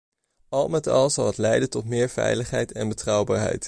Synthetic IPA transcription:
ɑlˠmɛtɑlˠzɑlˠɦətlɛjdəntɔtmɪːɹv̥ɛ̰jləχɦɛjtɛnbətrʌwbaːɹɦɛ̰jt

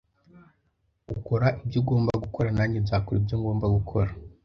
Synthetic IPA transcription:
uko̞ɾaʔibɟuɡo̞ːmbaaɡuko̞ɾanaːɲibzaːkoɾibjoŋɡo̞ːmbaɡukʰo̞ɾa

